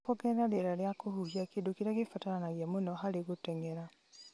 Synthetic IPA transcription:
oɡɛɾaɾeɾaɾjakohuhiakedokiɾaɣefataɾanaɣjamonɔɦaɾeɣutɛŋeɾa

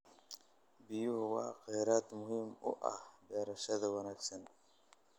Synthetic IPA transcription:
bɪjʊhʊwɑ̰ːqɛjɾaːt̪mʊhimʊ̰ʔɐ̰hb̪ɛːɾɐʃɐðɐwɐnaːɡsɐn

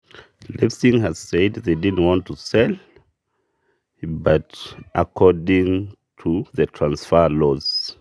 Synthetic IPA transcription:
lɛfsɪ̃ŋɨz̥sɛdðeɪdɪdⁿn̩t̚wɑ̃ntʰusɛl | bʌtʔəkʰɔɹdɪ̃ŋ | tʰuðətʰɹ̥ãnsfəlɔz̥

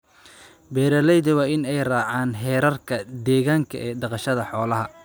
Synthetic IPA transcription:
bɛːɾɐlɛjðɪwɑːɪnɛjraːʕaːnɦɛːɾɐrkʰɐd̪ɛːɣaːŋkʰɐ̰ʔɛːɖɑqɑʃɐðɐħɔːlɐɦɐ

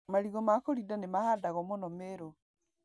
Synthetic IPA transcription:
maɾiɣɔmakoɾidanemahadaɣɔmonɔmeɾo

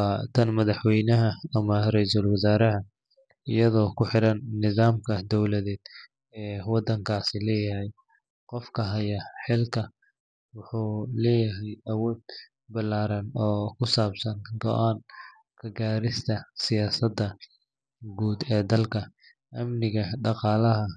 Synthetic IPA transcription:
t̪ʰɐnmɐðɐħwɛjnɐɦɐɐmɐrɛjsɐlwɐzaːɾɐɦɐ | ɪjɐðɔːkʰʊħɪɾɐnːɪðaːmkʰɐd̪ɔwlɐðɛːd̪ | ɛːwɑd̪ɐŋkʰaːsɪlɛːjɐɦɛj | qɔfkʰɐɦɐjɐħɪlkʰɐ | wʊħuːlɛːjɐɦɛjɐwɔːd̪ | bɐlaːɾɐnɔːkʰʊsaːbsɐnɡɔ̰ʔaːn | kʰɐɡaːɾɪst̪ʰɐsɪjaːsɐd̪ɐ | ɡuːd̪ɛːd̪ɐlkʰɐ | ʔɐmnɪɣɐɖɑqɑːlɐɦɐ

